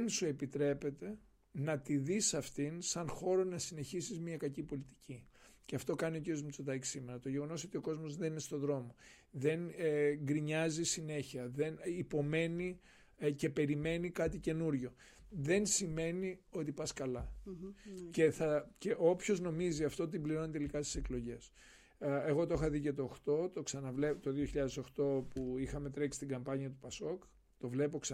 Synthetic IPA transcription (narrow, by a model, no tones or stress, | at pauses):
nsue̞pit̪ɾe̞pe̞t̪e̞ | nɐt̪iðisɐft̪insɐnxo̞ɾo̞nɐsine̞çisizmiɐkɐcipo̞lit̪i̥ciceɐft̪o̞kɐnio̞ciɾiozmut͡sot̪ɐci̥sime̞nɐt̪o̞ʝe̞ɣo̞no̞so̞t̪io̞ko̞zmo̞zðeninest̪o̞ðɾo̞mo̞ | ðe̞nɡɾiɲɐzisine̞çiɐðe̞nipo̞me̞ni | ce̞pe̞ɾime̞nikɐt̪ice̞nuɾʝo̞ | ðe̞nsime̞nio̞t̪ipɐskɐlɐ | ce̞θɐce̞ʔo̞pço̞zno̞miziɐft̪o̞ot̪imbliɾo̞nit̪e̞likɐst̪i̥seklo̞ʝe̞s | e̞ɣo̞t̪o̞xɐðice̞t̪o̞ːxt̪o̞t̪o̞ksɐnɐvle̞pt̪o̞ðioçiʎɐðe̞so̞xt̪o̞puixɐme̞t̪ɾe̞ksi̥t̪iɡɐmpɐɲiɐt̪upɐso̞k | t̪o̞vle̞p̬o̞ksɐ